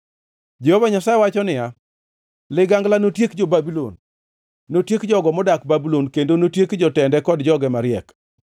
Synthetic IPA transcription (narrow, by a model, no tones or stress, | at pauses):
d͡ʒɛhovaɲasajɛwat͡ʃɔnɪja | lɪɡaŋɡlanotjekd͡ʒobabilo̰nː | otjekd͡ʒɔɡɔmɔdakbabilonkendonotjekd͡ʒɔtɛndɛkɔdd͡ʒɔɡɛmaɾɪɛk